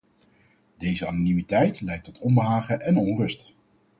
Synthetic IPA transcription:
d̥ejzəɑnonimitɛjtlɛjk̚tɔtʰɔnbəɦaːχəʔɛnɔnrɵst

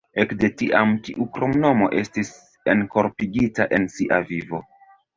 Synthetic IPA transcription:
e̞kde̞tiʔamtiʔukɾo̞mno̞mo̞ʔe̞stis | enko̞ɾpiɡitaʔe̞nsiʔavivo̞

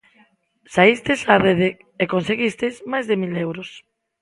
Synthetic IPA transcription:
saist̪esareðe | ekonseɣist̪ezmajzðemilewɾos

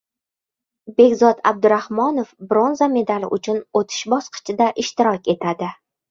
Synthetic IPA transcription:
be̞ɡʲzɒd̪a̰b̚d̪ʊɾahmɒnofbɾo̞nzame̞d̪alɪ̰ʔʊt͡ʃʰʊnot̪ʰɪ̥ʃbɒsqɨ̥t͡ʃʰɪd̪aʔɪʃt̪ɪɾɒkʲe̞t̪ʰad̪ɪ

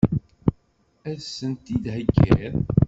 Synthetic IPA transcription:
æðsənt̪id̪həɡːæɾ

